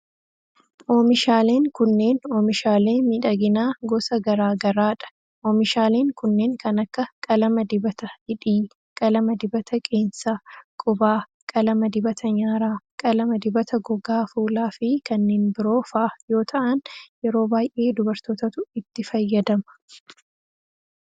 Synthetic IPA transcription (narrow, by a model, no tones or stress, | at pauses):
ʔoːmɪʃaːle̞ːŋkʊnːe̞ːnoːmɪʃaːle̞ːmiːᶑɐɡɪnaːɡɔsɐɡɐɾaːɡɐɾaːᶑɐ̥ | ʔoːmɪʃaːle̞ːŋkʊnːe̞ːŋkɐnɐkːɐkʼɐlɐmɐd̪ɪbɐt̪ɐhɪᶑiː | kʼɐlɐmɐd̪ɪbɐt̪ʰɐkʼe̞ːnsɐkʼʊbaː | kʼɐlɐmɐd̪ɪbɐt̪ɐɲaːɾaːkʼɐlɐmɐd̪ɪbɐt̪ɐɡɔɡaːfuːlaːfɪkɐnːe̞ːnbɪɾo̞ːfɐʔjo̞ːt̪ʰɐʔɐnjɛɾo̞ːbaːjʔe̞ːd̪ʊbɐɾt̪oːt̪ɐt̪ʊɪt̪ːɪfɐjːɐd̪ɐmɐ̥